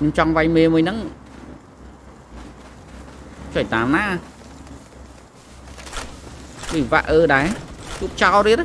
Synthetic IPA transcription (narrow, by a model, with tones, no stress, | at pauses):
ɲo˧mt͡ɕɑ˧ŋʋa˧jmeː˧mu˧əjnɨŋ | t͡ɕːjt̪aːmnaː˥ʔ | ɗi˧˩ʋa̰˧ʔəː˧ɗaɛt͡ɕu˧əp̚t͡ɕaɔlɾi˧ət̪